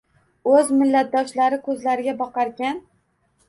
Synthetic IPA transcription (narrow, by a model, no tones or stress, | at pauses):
ɵzmɪlːat̪̚d̪ɒʃlaɾɪkʰɵzlaɾɪɡʲabɒqɑɾɡʲan